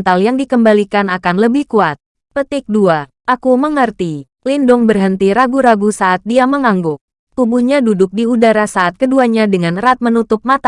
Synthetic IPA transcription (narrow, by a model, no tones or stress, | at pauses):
nt̪aljaŋdikəmbalikanakanləbɪhkuat̪̚ | pət̪ɪk̚dua | ʔakuməŋərt̪i | lindʊŋbərɦənt̪iɾaɡuɾaɡusaʔːt̪̚diaməŋaŋɡʊk̚ | ubuɲadudʊk̚diudaɾasaʔat̪̚kəduaɲadəŋanrat̪̚mənut̪ʊp̚mat̪a